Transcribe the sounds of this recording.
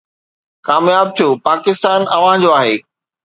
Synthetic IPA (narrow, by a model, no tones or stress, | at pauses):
kaːmjaːb̚t̪ʰijoːpaːkɪst̪aːnɐʋ̤ãɦd͡ʑoaːɦeː